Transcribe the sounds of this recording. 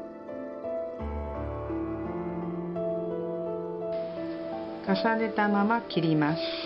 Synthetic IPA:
kasane̞t̪amamakʲiɾʲimasɨ̥

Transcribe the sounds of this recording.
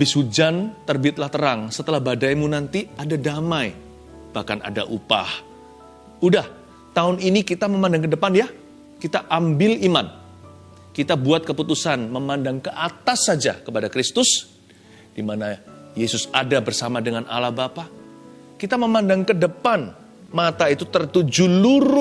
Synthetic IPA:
bɪsud͡ʒant̪ərbiɪt̪̚laht̪əɾaŋsət̪əlahbadajmunant̪iadadamaj | b̥ahkana̰da̰ʔupa̰h | udah | t̪aʊninikit̪aməmandaŋkədəpanja | kit̪aʔambɪliman | kit̪abuat̪̚kəput̪usanməmandaŋkəʔat̪asːad͡ʒa̰kəpadakɾist̪ʊs | d̥imana | jesʊsadabərsamadəŋanʔa̰lahbapa | kit̪aməmandaŋkədəpan | mat̪ait̪ut̪ərt̪ud͡ʒuluɾ

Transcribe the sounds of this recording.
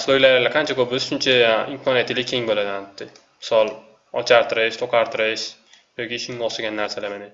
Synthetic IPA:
slojlaɾalaqʰant͡ʃʰakobɪzʃʊnt͡ʃʰaimkʰɒnijat̪ʰɪlʲɪkʲʰeŋbolad̪ɪanɪt̪ːɪ | mɪsɒlˠ | ɒt͡ʃʰaɾt̪ʰɪɾɪʃt̪ʰoqʰaɾt̪ʰɨɾɪʃ | jokʲiʃɪŋɒʃaɡʲanːaɾsalamanɪ

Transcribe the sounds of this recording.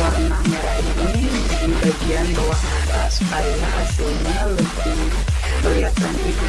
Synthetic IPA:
arnaɲaaʔinimadibadianbawa | sə̥kalilahasilɲaləbi | pəliat̪anit

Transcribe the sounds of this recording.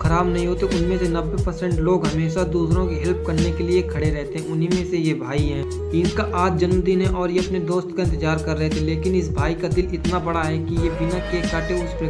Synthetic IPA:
kʰɐɾaːbnɐɦĩɦoːt̪eʔʊnmẽsenɐʋːepəɾsɛ̃ːɳʈloːɡɦɐmeːʃad̪uːsɾõkiɦɛlp̚kɐɾnekeliekʰɐɽeɾɛɦt̪eɦɛ̃ʊnɦimẽsejebʱaːiɦɛ̃ː | ɪnkaʔaːt̪̚d͡ʒɐnmd̪iːnɦɛ̃ʔɔːɾjeɐpned̪oːst̪kaɪ̃nt̪ɪd͡ʒaːɾkɐɾːɛɦt̪ʰeleːkɪnɪsbʱaːikad̪ɪlɪt̪nabɐɽaɦɛkijebɪnakekaːʈeʊspɾe

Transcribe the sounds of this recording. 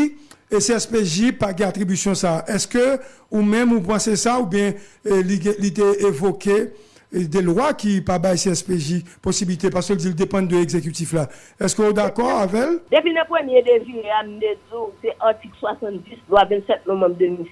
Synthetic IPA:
eseɛspeʒipaɡɛ̃at̪ʁibysjɔ̃saʔɛskø | umɛ̃mupɑ̃sesaubjɛ̃liɡɛ̃lit̪̬eevoke | d̪ɛlwakipabajseɛspeʒiposibilit̪epaʁsə̥kəldild̪epɑ̃nd̪əɛɡzekyt̪ifla | ɛskøod̪akɔʁavɛld̪epinɐ̃pʁəmjed̪evineam̩t̪edusɛʔaʁt̪ikswasɐ̃t̪dislwavɛ̃t̪sɛt̪̚novɑ̃bd̪ømil

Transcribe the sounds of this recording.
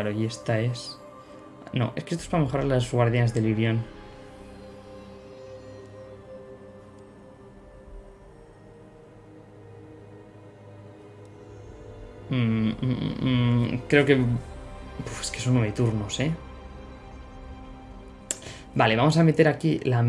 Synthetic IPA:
aɾoje̞st̪aes | no̞̰ʔe̞skeest̪oespame̞xo̞ɾaɾlazɣwaɾðjanazðe̞liɾjo̞n | kɾe̞oke̞ | bueske̞so̞nːweβet̪uɾnose | bale̞βamo̞same̞t̪e̞ɾakilam

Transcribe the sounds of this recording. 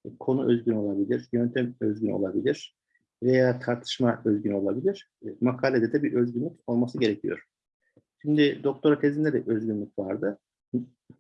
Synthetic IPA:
kʰo̞nuʔøzɟyno̞lˠabilʲiɾ̥jønt̪ʰɛmøzɟyno̞̰lˠabilʲiɾ̥ | ve̞jaːt̪ʰaɾt̪ʰɯ̥ʃmaøzɟyno̞lˠabilʲiɾ̥ | makʰaːlʲed̪ɛd̪ɛbiʔø̞zɡɟynlʲyco̞lˠmasɯɟe̞ɾecʰijo̞̰ɾ̥ | ʃimd̪id̪o̞k̚t̪ʰo̞ɾat̪ʰezind̪ed̪ɛ̰ʔøzɡynlʲycʲvaɾd̪ɯ

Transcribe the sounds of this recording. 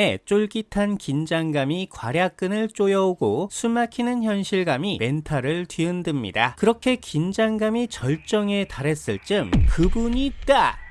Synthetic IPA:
e̞t͡ɕ͈oɭɡitʰankind͡ʑaŋɡamikwa̰ɾjak̚k͈ɯnɯɭt͡ɕ͈ojʌoɡosʰumakʰinɯnçjʌnɕʰiɭɡamime̞ntʰaɾɯɭtɥiɯndɯmɲḭda̰kɯɾʌkʰe̞kind͡ʑaŋɡamit͡ɕʌɭt͡ɕ͈ʌŋe̞taɾe̞s͈ɯɭt͡ɕ͈ɯmkɯbuɲiːt̚t͈a

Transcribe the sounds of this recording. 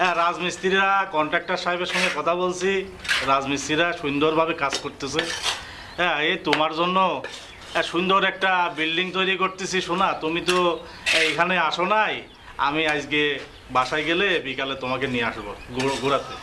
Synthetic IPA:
ɛɾad͡ʑmist̪iɾɾakɔɳʈak̚ʈaɾʃajbeɾʃɔŋɔjkɔt̪ʰabolt͡ɕʰi | ɾad͡ʑmist̪iɾaʃund̪oɾbʱabekad͡zkoɾt̪esʰe | ɛet̪omaɾd͡ʑonːo | ɛʃund̪oɾɛk̚ʈabilɖiŋt̪ojɾikoɾt̪esʰiʃunat̪umit̪̬o | ejkʰaneaʃonaj | a̰miad͡ʑke | baʃajɡelebikalet̪omakenijeaʃboɡuɡuɾat̪e

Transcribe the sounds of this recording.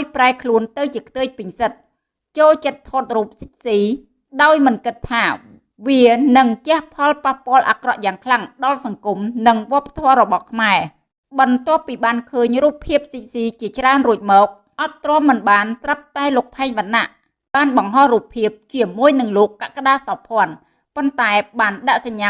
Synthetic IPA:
ajpraɛkʰluənt̪ɨwt͡ɕiəkʰt̪əːc̚pɨɲsət̪̚ | t͡ɕoːlt͡ɕət̪ʰːoːt̪̚ruːp̚sic̚siː | ɗaɔjmɨnkɨt̪ʰːaː | ʋiənɨŋkɛ̆əhpʰɑlpahpŏəlʔa̰krɑ̰ʔjaːŋkʰlaŋɗɑlsɑŋkumnɨŋʋŏəpːḁt̪ʰɔəɾɔɓɑhkʰmaɛ | ɓɑnt̪ŏəpːiːɓaːnkʰəːɲruːpʰːiəp̚sic̚siːt͡ɕiət͡ɕraənruəc̚mɔːk̚ | ʔɑt̪ːrŏəmːɨnɓaːnt̪rəp̚t̪aɛloːk̚pʰaɛɲʋanːa̰ʔ | ɓaːnɓɑŋɦɑhruːpʰːiəp̚t͡ɕiəmuəjnɨŋloːkːaʔkaɗaːsɑpʰŏən | pont̪aɛɓaːnɗaʔsaɲːa

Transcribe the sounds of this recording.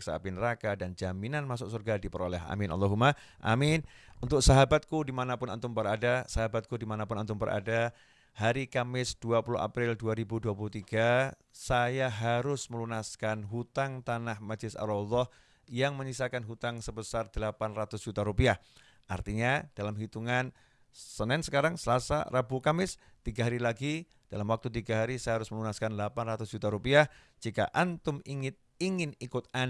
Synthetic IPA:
k̚sapinəɾakadand͡ʒaminanmasʊk̚surɡadipəɾolɛɦa̰mɪnʔɑ̰lːɔɦuma | ʔa̰mɪnunt̪ʊk̚saɦabat̪̚kudimanapʊnant̪ʊmpəɾadasaɦabat̪̚kudimanapʊnant̪̬ʊmpəɾa̰da | haɾikamɪsd̥uapulʊha̰pɾɪlduaɾibuduapulut̪iɡa | sajaɦaɾʊsməlunaskanɦut̪aŋt̪anahmad͡ʒlɪsa̰ɾɔlːɔh | jaŋməɲisakanɦut̪aŋsəbəsard̪̥əlapanrat̪ʊsdd͡ʒ̥ut̪aɾupiah | ʔa̰rt̪iɲad̥alamɦit̪uŋan | sənɛnsəkaɾaŋsəlasa̰rabukamɪs | t̪iɡaɦaɾilaɡi | d̥alamwak̚t̪ut̪iɡaɦaɾisajaɦaɾʊsməlunaskanlapanrat̪ʊsd͡ʒut̪aɾupiah | d͡ʒika̰ʔant̪ʊmiŋɪt̪̚ | iŋɪnikʊt̪̚an

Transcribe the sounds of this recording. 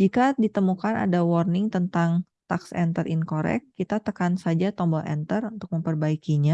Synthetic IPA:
d͡ʒikadit̪əmukana̰dawɔrnɪŋt̪ənt̪aŋ | t̪aksɛ̰nt̪ərʔɪnkoɾɛ̰kːit̪at̪əkansad͡ʒat̪ɔmbɔlʔɛ̰nt̪ərunt̪ʊk̚məmpərbaikiɲa

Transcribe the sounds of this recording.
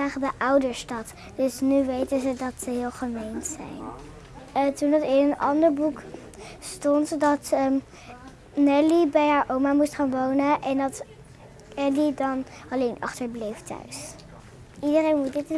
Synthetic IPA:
aːχədəʔʌwdəɹstɑt | d̥ɵsnyʋejtənzədɑtsəɦɪːlˠχəmejnsɛ̰jn | tundɑtɪnənɑ̰ndəɹbuk | stɔntdɑt | nɛlibɛjɦaːɹʔowmamustχaːnʋownəʔɛndɑt | ɛlidɑnɑlejnʔɑ̰χtəɹblejftœ̰ɥs | idərejnmut̚dɪt

